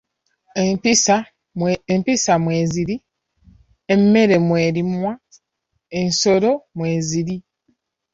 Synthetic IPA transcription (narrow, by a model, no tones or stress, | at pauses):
empisamwe̞ːziɾi | emːe̞ɾe̞mwe̞ːɾimwa | ensoɾo̞mwe̞ːziɾi